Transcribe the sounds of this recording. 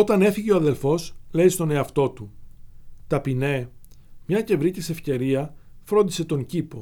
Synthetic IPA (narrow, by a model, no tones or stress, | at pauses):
o̞t̪ɐne̞fiʝe̞oɐðe̞lfo̞sle̞ist̪o̞ne̞ɐft̪o̞t̪u | t̪ɐpine̞mɲɐce̞vɾic̪ise̞fce̞ɾiɐ | fɾo̞nd̪ise̞t̪o̞ɲcipo̞